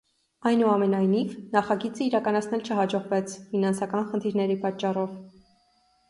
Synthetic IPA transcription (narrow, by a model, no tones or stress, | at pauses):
ɑjnuɑmɛnɑjnivnɑχɑɡit͡səiɾɑkɑnɑt͡sʰnɛlt͡ʃʰəɦɑd͡ʒɔʁvɛt͡sʰfinɑnsɑkɑnχənt̪ʰiɾnɛɾipɑt͡ʃːɑrɔv